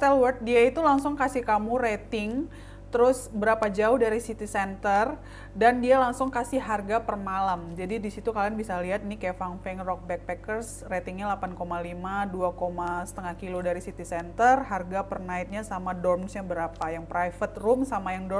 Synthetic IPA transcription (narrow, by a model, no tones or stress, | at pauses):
t̪ɛlwərt̪̚diait̪ulaŋsʊŋkasikamuɾet̪ɪŋ | t̪əɾʊsbəɾapad͡ʒaʊhdaɾisit̪isɛnt̪ər | dandialaŋsʊŋkasiɦarɡapərmalamd͡ʒadidisit̪ukalianbisaliɦat̪inikefaŋfɛŋrɔk̚bɛk̚pɛkərs | ret̪ɪŋɲalapankomalimaduakomasə̥t̪əŋahkilodaɾisit̪isɛnt̪ərɦarɡapərnaɪt̪̚ɲasamadɔrmsɲabəɾapajaŋpɾajfət̪rʊmsamajaŋdɔ